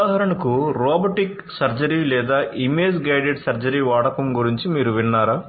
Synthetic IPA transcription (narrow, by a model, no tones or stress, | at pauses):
aːɦɐɾɐɳɐkuɾɔːbɐʈik | sɐɾd͡ʒɐɾilɛːd̪aːʔimeːd͡ʒɡɐjɖeɖsɐɾd͡ʒɐɾiːʋaːɽɐkɐmɡuɾiɲt͡ʃimiːɾuʋiɳːaːɾaː